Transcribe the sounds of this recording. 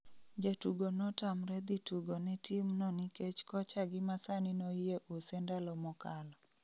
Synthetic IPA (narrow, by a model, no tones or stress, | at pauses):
d͡ʒetuɡonɔtamɾɛd̪ituɡonɛtimnɔniket͡ʃkɔt͡ʃaɡɪmasanɪnojeʔosɛndalɔmɔkalɔ